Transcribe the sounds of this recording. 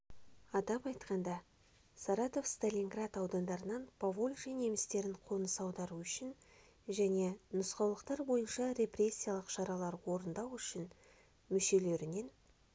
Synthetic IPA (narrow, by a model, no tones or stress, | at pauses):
ɑt̪ɑpɑjt̪qɑnd̪ɑ | saɾɑt̪o̞fst̪alʲiŋɡrat̪ɑwd̪ɑnd̪ɑɾənɑnpʰavolʲʒine̞mɪst̪e̞ɾɪɴqʰo̞nəsɑwd̪ɑɾuʏʃɪn | ʒæne̞nʊsqɑwlˠəqt̪ɑɾbo̞jənʃɑɾʲe̞pre̞sʲːijalˠəqʃɑɾɑlˠɑɾwo̞ɾənd̪ɑwʏʃɪn | mʏʃe̞le̞ɾɪne̞n